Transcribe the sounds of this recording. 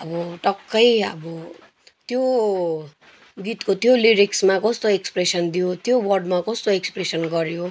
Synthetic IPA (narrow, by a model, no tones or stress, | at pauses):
ʌbʌʈʌkːʌjʌ̰bʌ | t̪jo | ɡit̪kot̪joliɾiksmakʌst̪oekspresʌnd̪ijot̪jowʌrɖmakʌst̪oekspresʌnɡʌɾjo